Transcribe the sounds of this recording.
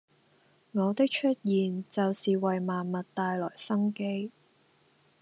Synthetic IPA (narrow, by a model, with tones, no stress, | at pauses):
ŋɔː˨˧t̪ɪ˥k̚t͡ʃʰɵ˥t̚jiː˨nt͡sɐ˨wsiː˨wɐ˨jmaː˨nmɐ˨t̚t̪aː˨˧jlɔː˨˩jsɐ˥ŋke˥j